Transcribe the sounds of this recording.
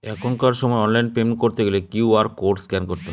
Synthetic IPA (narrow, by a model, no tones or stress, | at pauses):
ɛkʰonkaɾʃɔmɔeɔnlajnpemnkoɾt̪eɡelekuuaɾkoɖskɛnkoɾt̪e